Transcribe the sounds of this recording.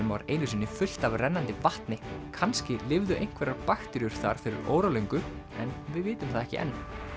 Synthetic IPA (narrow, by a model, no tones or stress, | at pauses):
ʏmva̰ɾeːjnʏs̬inːɪfʏl̥t̪avrɛnːant̪ɪvaht̪nɪkʰanscɪlɪvðʏʔejŋ̥kʰvɛɾaɾpaxt̪ʏɾjʏɾ̥θa̰ɾ̥fɪɾɪ̰ɾo̰ːwɾalejŋkʏɛ̰nvɪðvɪːt̪ʏmθaðɛhcɪ̰ʔɛ̰nː